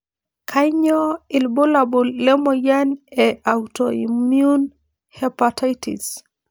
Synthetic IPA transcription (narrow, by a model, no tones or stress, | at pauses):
kʰaɲɔilbolabulːɛmɔjanɛawtɔimiun | hɛpatʰajtḭs